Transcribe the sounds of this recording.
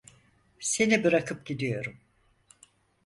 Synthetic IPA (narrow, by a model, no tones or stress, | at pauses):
se̞nibɯɾakʰɯp̚ɟ̥id̪ijo̞ɾum